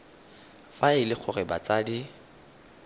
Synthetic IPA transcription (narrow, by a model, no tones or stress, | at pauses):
faɪlɪχʰʊrɪbat͡sʼaːdi